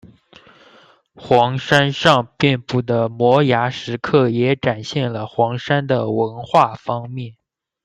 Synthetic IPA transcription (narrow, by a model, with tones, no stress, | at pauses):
xwɑ˧˥ŋʂa˥nʂɑ˥˧ŋpjɛ˥˧npu˥˩d̪ə˩mwɔ˧˥ja˧˥ʂɻ̩˧˥kʰɤ˥˩jɛ˧˥ʈ͡ʂa˨˩nɕjɛ˥˩nlə˩xwɑ˧˥ŋʂa˥nd̪ə˨wə˧˥nxwa˥˩fɑ˥ŋmjɛ˥˩n